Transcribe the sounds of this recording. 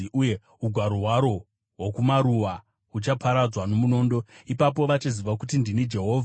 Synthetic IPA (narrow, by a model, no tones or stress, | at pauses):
uje | uɡʱwaɾoɦwaɾo̞ | wokumaɾuʋa | ut͡ʃapʰaɾad͡zwano̞muno̞ːndo̞ipap̬o̞ʋat͡ʃiziʋakutindinid͡ʒe̞ɦo̞ːvʱa